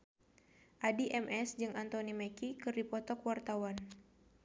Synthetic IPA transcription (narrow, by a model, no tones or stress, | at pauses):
ʔadiʔɛmʔɛsd͡ʒɨŋant̪onimɛkikɨrdipɔt̪ɔkwart̪awan